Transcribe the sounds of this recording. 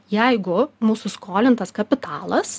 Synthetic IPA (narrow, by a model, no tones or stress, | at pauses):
jɛɪɡʊmuːsʊskoːlʲɪnt̪ɐskɐpʲɪt̪ɑːlˠɐs